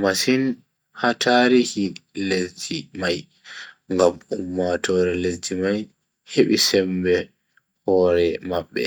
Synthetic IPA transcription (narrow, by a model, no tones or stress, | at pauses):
masin | hataɾihilesd͡ʒimaj | ŋɡamumːatɔɾɛled͡ʒimaj | heɓisɛmbɛ | hɔːɾɛmaɓːɛ̰